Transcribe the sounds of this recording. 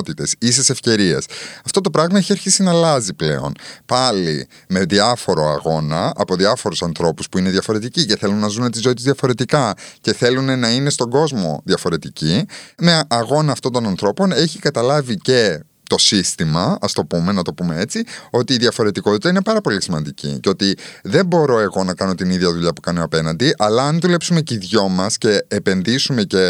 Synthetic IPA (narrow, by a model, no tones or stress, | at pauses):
t̪it̪e̞sisese̞fce̞ɾiḛsɐft̪o̞t̪o̞pɾɐɣmɐeçiɐɾçisinɐlɐziple̞̰o̞̰npɐlḭ | me̞ðiɐfo̞ɾo̞ɐ̰ɣo̞nɐɐpo̞ðiɐfo̞ɾusɐnθɾo̞puspuine̞ðʝɐfo̞ɾe̞t̪icice̞θe̞lunnːɐzunet̪izo̞it̪izðjɐfo̞ɾe̞t̪ikɐce̞θe̞lune̞nɐine̞st̪o̞ɡo̞zmo̞̰ðjɐfo̞ɾe̞t̪icimeʔɐɣo̞nɐːft̪ond̪o̞nɐnθɾo̞po̞ne̞çikɐt̪ɐlɐvice̞ | t̪o̞sist̪imɐɐst̪o̞pume̞nɐt̪o̞pume̞e̞t͡sio̞t̪iːðʝɐfo̞ɾe̞t̪iko̞t̪i̥t̪ɐine̞pɐɾɐpo̞lisimɐnd̪icḭceo̞t̪iðe̞mbo̞ɾo̞e̞ɣo̞nɐkɐno̞t̪iniðʝɐðuʎɐpu̥kɐno̞ɐpe̞nɐnd̪iʔɐlɐɐnðule̞psume̞ciðʝo̞mɐsce̞ːpe̞nðisume̞ce̞